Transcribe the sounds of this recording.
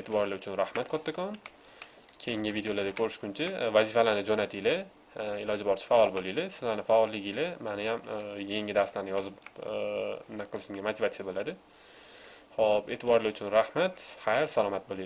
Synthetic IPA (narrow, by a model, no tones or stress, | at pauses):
et̪ʰɪbɒɾlaʊt͡ʃʰʊnɾahmat̪kʰɒt̪ːakʰɒn | kʲʰejɪŋʲɪvid̪eolaɾd̪akʰɵɾɪʃkʲʊnt͡ʃʰavazifalanɪd͡ʒonat̪ʰilɪ | ɪlɒd͡ʒɪbɒɾt͡ʃʰɪ̥faɒlˠbolijlɪsɪzlanɪfaɒlːɪɡʲilɪmanɪjamjeŋʲɪd̪aɾslaɾnɪjɒzɪp | naqʰɨlˠɪʃɪmɡʲamat̪ʰivat̪jabolad̪ɪ | hɒbe̞t̪ʰɪbɒɾlaʊt͡ʃʰʊnɾahmat̪χajɾsalˠɒmat̪̚boli